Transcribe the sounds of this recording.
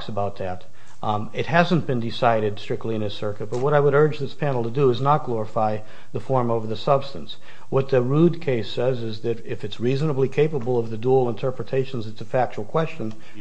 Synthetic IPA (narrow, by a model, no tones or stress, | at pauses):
ksəbaʊt̪̚ðɨɾ | ɨt̚ɦæzɨ̃nb̥ɨ̃ndɨsaɪɾɨdstɹ̥ɪk̚tˡliɨ̃nɨtsɜ˞kɨt̚b̥ʌt̚wʌɾaɪwəɾɜ˞d͡ʒðɪspʰænl̩ˠtʰədɨːznət̚ɡ̥lɔɹəfaɪ | ðəfɔɹmoʊvə˞ðɨsʌb̥stɨ̃ns | wʌt̪̚ðɨɹud̚kʰeɪsɛzɪzðɨɾɪfɨtsɹiznəblikʰeɪpəbl̩ˠʌvðɨdul̩ˠə̃ntʰɜ˞pɹɨtʰeɪʃn̩zɨtsɨfæk̚t͡ʃul̩ˠkʰw̥ɛst͡ʃɨ̃n